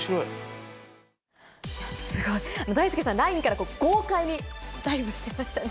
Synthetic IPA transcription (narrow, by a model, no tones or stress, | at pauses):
iɾoi | asɨɡo̞iano̞d̪aisɨ̥kesãɾaĩŋkaɾako̞ːɡ̥o̞ːkaiɲ̟id̪aimɯɕi̥t̪e̞maɕi̥t̪a